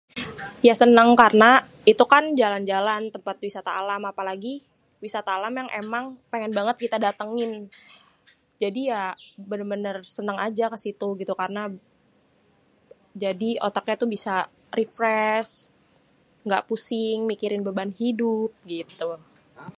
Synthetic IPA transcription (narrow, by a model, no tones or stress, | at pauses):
jasənəŋkarəna | it̪ukand͡ʒaland͡ʒalant̪əmpat̪̚wisat̪aːlamapalaɡi | wisat̪aːlamjaŋʔemaŋpeŋɛnbaŋət̪̚kit̪adat̪əŋɪn | d͡ʒadijabənərbənərsənəŋad͡ʒakəsit̪uɡit̪ukarna | d͡ʒadiot̪akɲat̪ubisa | rʔifɾɛs | ŋɡaʔpusɪŋmikiɾɪnbəbanhidʊp̚ɡit̪u